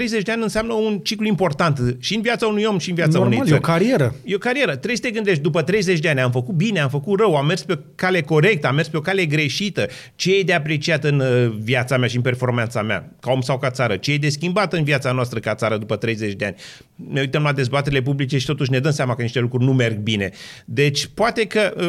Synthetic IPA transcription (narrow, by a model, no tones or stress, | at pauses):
ɾejzet͡ʃd̪eanʲɨnseamnəunt͡ʃikluimpo̞rt̪ant̪ʃiɨnviat̪saunujo̞mʃiɨnviat̪aunej̪əɾkaɾieɾəjeokaɾie̞ɾət̪ɾesə̥t̪e̞ɡɨnd̪eʃt̪̚d̪upət̪ɾe̞jzet͡ʃʲd̪eanʲamfəkut̪̚bine̞amfəkut̪rəwamːe̞rspe | kale̞ko̞ɾe̞k̚t̪əamːe̞rspeokale̞ɡɾe̞ʃit̪ə | t͡ʃejejd̪eapɾe̞t͡ʃiat̪ɨnviat̪sameaʃiɨnpe̞rfo̞rmant̪samea̰kao̞msawkat̪saɾət͡ʃejejd̪e̞skʲimbat̪ɨnviat̪sanoast̪ɾəkat̪saɾəd̪upət̪ɾe̞jzet͡ʃʲd̪eanʲ | ne̞ujt̪əmlad̪e̞zbat̪eɾile̞p̬ublit͡ʃeʃi̥t̪o̞t̪uʃ̬ne̞d̪əmseamakəniʃt̪elukɾurʲnume̞rɡ̚bine̞d̪e̞t͡ʃʲpoat̪e̞kə